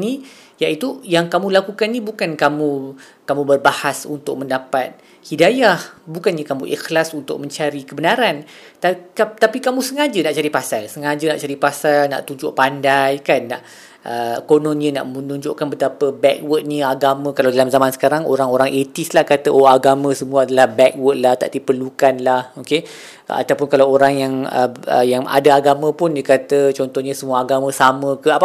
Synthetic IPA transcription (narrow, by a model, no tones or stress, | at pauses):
ni | jaʔit̪ujaŋkamũlakukannibukankamũ | kamũbərbahasṵnt̪ʊk̚mə̃ndapat̪̚ | hidajahbukanɲakamũʔḭxlasunt̪ʊ̰k̚mə̃ɲt͡ʃaɾikəbənaɾan | t̪at̪apikamũsəŋad͡ʒənaʔt͡ʃaɾipasalsəŋad͡ʒənaʔt͡ʃaɾipasalna̰ʔt̪ud͡ʒʊʔpandajkanːaʔ | ʔəkonõnɲəna̰ʔmmənũɲd͡ʒʊʔkanbət̪apəbɛk̚wət̪̚niaɡamə̃kalawdalamzamansə̥kaɾaŋo̰ɾaŋoɾaŋʔet̪islahkat̪əʔoaɡamə̃səmuaadalahbɛk̚wət̪̚laht̪a̰ʔdipərlukanlahoke | a̰t̪awpʊnkalawoɾaŋjaŋə̰ə̰jaŋa̰daaɡamə̃pʊndəkat̪ət͡ʃɔnt̪ɔhɲãsəmuaːɡamə̃samə̃kəap